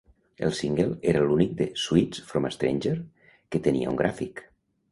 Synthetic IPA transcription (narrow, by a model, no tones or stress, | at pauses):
ḛlˠsiŋɡelˠeɾəlunik̚d̪eswit͡sfɾomest̪ɾḛnʲʒeɾ | kət̪ənḭa̰ṵŋɡɾʔafik